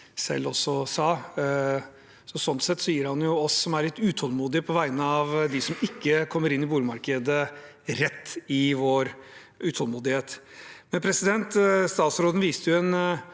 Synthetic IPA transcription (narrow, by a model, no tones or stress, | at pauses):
sɛ̰lːɔsɔsɑː | sɔsɔnt̪sɛt̪ːsɔjiːəɾhɑnjʊɔsːɔmæɾɭɪt̪ːʉːt̪ʰɔlmuːd̪ɪəpʰɔʋæɪnəɑʋd̪ɪsɔmɪkːəkʰɔmːəɾɪnːɪbuːləmɑɾkəd̪ə | ɾɛt̪ːɪʋoːɾ | ʉːt̪ʰɔlmuːd̪ɪheːt̪mɛnpʰɾɛsɪd̪ɛnt̪st̪ɑːt̪sɾoːd̪n̩ʋiːst̪əjʊɛn